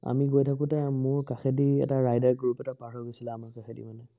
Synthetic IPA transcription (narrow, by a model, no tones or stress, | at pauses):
a̰miɡojtʰakʊtɛmʊɹkaxediɛ̰taɹajdaɹɡɹupɛtapaɦʰɔɹɡojsilaamaɹkaxʰedḭmanɛ